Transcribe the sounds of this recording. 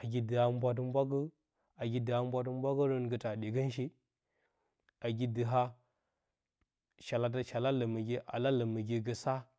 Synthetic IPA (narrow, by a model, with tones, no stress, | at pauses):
a˨ɡʲi˦də˨a˦m˦bʷa˦t̬ə˦m˦bʷa˦ɡə˦ | a˨ɡʲi˦də˨ha˦m˦bʷa˦t̬ə˦m˦bʷa˦ɡə˦ɾə˦nɡə˨ta˨ɗi˨ɡə˦n˦ʃ̬i˦ | a˨ɡi˦də˨ɦa˦ | ʃa˨la˨t̬a˦ʃa˨la˦lə˨mə˨ɡʲi˦ʔa̰˨la˦lə˨mə˨ɡʲi˦ɡə˦sa˦